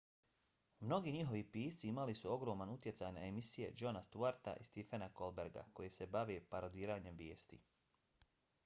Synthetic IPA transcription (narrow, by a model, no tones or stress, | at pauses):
mno̞ɡiːɲiɦo̞ʋipiːst̪siimalisuo̞ɡɾo̞ːmanut̪je̞t̪saːjnaemisije̞̰d͡ʒo̞nast̪uaɾt̪a̰ʔist̪ifenako̞lbe̞ɾɡa̰ko̞jese̞baʋepaɾod̪iːɾaːɲe̞mʋje̞ːst̪ḭ